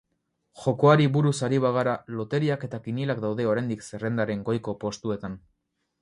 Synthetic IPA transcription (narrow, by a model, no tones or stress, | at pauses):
ʝo̞ko̞aɾiβuɾusaɾiβaɣaɾalo̞t̪e̞ɾiake̞t̪akinilakd̪awðe̞o̞ɾajnd̪ikse̞re̞nd̪aɾe̞ŋɡo̞jko̞po̞st̪ue̞t̪an